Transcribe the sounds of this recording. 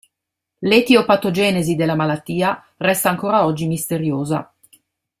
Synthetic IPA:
let̪iopat̪od͡ʒɛːnezid̪elːamalat̪ːiːa | rɛst̪aːŋkoːɾaɔd͡ʒːimist̪eɾjoːza̰

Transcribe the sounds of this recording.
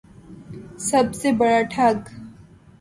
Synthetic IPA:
sɐbsebɐɽaʈʰaɡ

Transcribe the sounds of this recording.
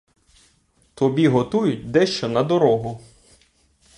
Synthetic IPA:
t̪ɔbʲiɦɔt̪ujʊtʲd̪ɛʃt͡ʃɔnɐd̪ɔɾɔɦʊ

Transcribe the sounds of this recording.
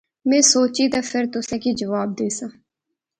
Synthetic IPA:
mɛ̃ːsoːt͡ʃiːt̪ãːpʰɪɾt̪ʊsɛ̃ːkiːd͡ʒəʋaːb̚d̪eːsãː

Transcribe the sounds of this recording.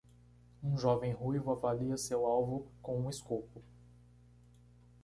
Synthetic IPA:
ũʒɔvẽj̃ɦujvʊavaliɐsewawvʊkõw̃ũɪskopʊ

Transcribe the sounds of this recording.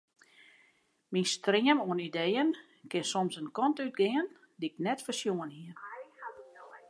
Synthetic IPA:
minstrɪəmuənidejən | kɪnsɔmsənkɔntyt̚ɡɪən | diɪknɛtfərsjuənhiə

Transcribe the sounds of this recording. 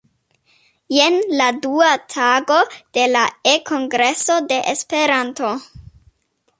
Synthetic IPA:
jenladuatʰaɡo̞d̥e̞laekʰo̞ŋɡɾe̞so̞de̞ʔespe̞ɾanto̞

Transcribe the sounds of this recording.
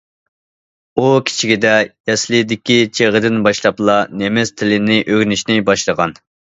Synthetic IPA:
ukʲʰi̥t͡ʃʰiɡʲid̪ɛjɛslˠɨd̪ɪkʲit͡ʃʰeʁəd̪ɪnbɑʃlˠɑplˠɑnemɪst̪ʰɪlɪnɪʔøɡʲnyʃnɪbɑʃlˠəʁɑn

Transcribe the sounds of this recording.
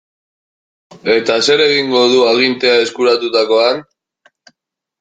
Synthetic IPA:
e̞t̪ase̞ɾe̞ɣiŋɡo̞ðuaɣint̪e̞ae̞skuɾat̪ut̪ako̞an

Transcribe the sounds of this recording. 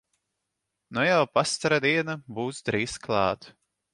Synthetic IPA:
nɔjawpast̪aɾad̪iɛnabuːsd̪ɾiːsklˠɑːt̪

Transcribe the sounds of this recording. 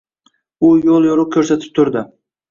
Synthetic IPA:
ʊjolˠjoɾʊkʲʰɵɾsat̪ʰɪ̥p̚t̪ʰʊɾd̪ɪ

